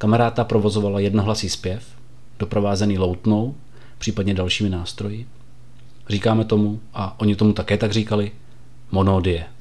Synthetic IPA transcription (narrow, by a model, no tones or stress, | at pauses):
kamɛɾaːt̪apɾo̞vo̞zo̞valajɛdnoɦlasiːspjɛf | d̥o̞pɾovaːzɛniːlo̞wt̪no̞w | pr̝̥iːpadɲɛdalʃiːmɪnaːst̪ɾo̞jɪ | riːkaːmɛt̪o̞muʔaʔo̞ɲɪt̪o̞mut̪akɛːt̪aɡriːkalɪ | mo̞noːdɪjɛ